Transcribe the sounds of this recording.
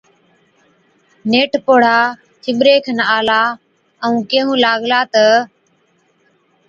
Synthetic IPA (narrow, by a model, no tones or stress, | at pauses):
neːʈpoːɽ̤aː | t͡ʃʰɪɓɾeːkʰənaːlaː | əũːkẽːɦũːlaːɠlaːt̪ə